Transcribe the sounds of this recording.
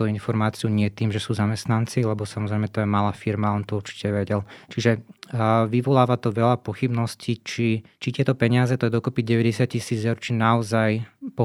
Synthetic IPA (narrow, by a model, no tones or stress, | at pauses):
t̪uinfɔɾmaːt͡siuɲɪɛt̪iːmʒɛsuːzamɛst̪nant͡silɛbɔsamɔzɾɛɪmɛt̪ɔjɛmalaːfiɾmaɔnt̪ɔuɾt͡ʃi̥cɛʋɛɟɛlt͡ʃiʒɛ | ʋiʋɔlaːʋat̪ɔʋɛʎapɔxibnɔscit͡ʃit͡ʃit̪ɪɛt̪ɔpɛɲɪazɛt̪ɔjɛd̪ɔkɔpiɟɛʋɛɟɛsɪaccisiːd͡zɛʊɾt͡ʃinaɔzajpɔ